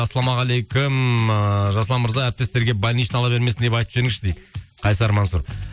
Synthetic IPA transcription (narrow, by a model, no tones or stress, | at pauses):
ɑsɑlˠɑmɑʁɑlˠejkʲʊm | ʒɑsəlˠɑnməɾzɑæɾp̚t̪est̪e̞ɾɡʲe̞bɑlʲnijʃɑlˠɑbe̞ɾmeɪnd̪e̞pɑjt̪əpʒeɾɪŋɪsʃɪd̪ejqʰɑjsɑɾmɑnsuɾ